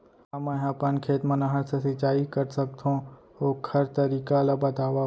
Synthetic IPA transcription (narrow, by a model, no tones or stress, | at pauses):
amə̃apənkʰeːt̪mɐnaɦɐɾsɐsɪt͡ʃaːikəɾsək̚t̪ʰõ | oːkhɐɾt̪əɾiːkalabɐt̪aːʋa